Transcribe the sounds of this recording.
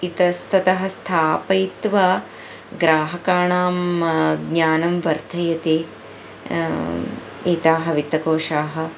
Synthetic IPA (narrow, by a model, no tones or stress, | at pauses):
it̪ɐst̪ʰɐt̪ɐɦɐst̪ʰaːpɐjt̪ʋɐ | ɡɾaːɦɐkaːɳaːmɡɲaːnɐmʋɐɾt̪ʰɐjɐt̪e | iːt̪aːɦɐʋit̪ːɐkoːʂaːɦɐ